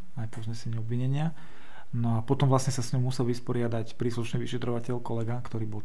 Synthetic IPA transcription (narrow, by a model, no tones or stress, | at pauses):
ajpɔzɲɛsɛɲiɔbʋiɲɛɲɪa | nɔapɔt̪ɔmvlasɲɛsasɲɔmmusɛlʋispɔɾɪad̪acpɾiːsluʃniːʋiʃɛt̪ɾɔʋacɛʎkɔlɛɡakt̪ɔɾiːbɔl